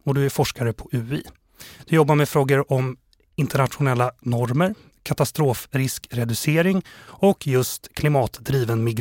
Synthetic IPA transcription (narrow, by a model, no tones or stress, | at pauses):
ɔd̪ɵæɾfɔʂkaɾəpʰɔʔʉ̟ːḭː | d̪̥ɵjɔbːaɾmɛfɾoːɡəɾɔm | ɪnt̪əɳat̪ɧʊnɛlːanɔɾməɾ | kʰat̪ast̪ɾoːfɾɪskɾɛd̪ɵseːɾɪŋɔkʰːjɵst̪kʰlɪmɑːt̪d̪ɾiːvənmɪɡ